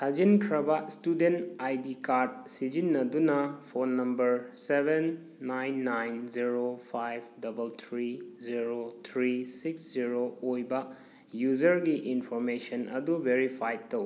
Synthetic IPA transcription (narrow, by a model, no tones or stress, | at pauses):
kʰɐd͡ʒinkʰɾɐbɐstudentajdikaɾd̚sid͡ʒinːɐdunɐpʰonːɐmbɐɾsebenː | ajnːajnziɾopʰajb̚dɐbɐlt̪ʰɾiziɾot̪ʰɾisiksziɾoojbɐ | jud͡ʒɐɾɡiʔinpʰoɾmesɐnʔɐ̰dubʱeɾipʰajtow